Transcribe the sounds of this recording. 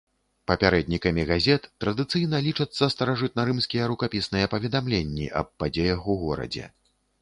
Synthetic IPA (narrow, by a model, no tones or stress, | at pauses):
pɐpʲaɾɛd̪̚nʲikɐmʲiɣazʲɛt̪ːɾɐd̪ɨt̪sɨjn̪ɐlʲit͡ʂɐt̪sːɐst̪ɐɾaʐɨt̪̚nɐɾɨmsʲkʲijɛɾukapʲisnɨjɛpɐvʲɛd̪amlʲenʲːḭʔɐ̰b̚ːad͡zʲejɐxuɣɔɾɐ̰d͡zʲɛ̰